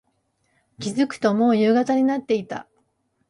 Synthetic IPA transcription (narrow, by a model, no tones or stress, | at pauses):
kʲizɨkɯ̟̥t̪o̞mo̞ːjɯ̟ːɡat̪aɲ̟inat̪ːe̞it̪a̰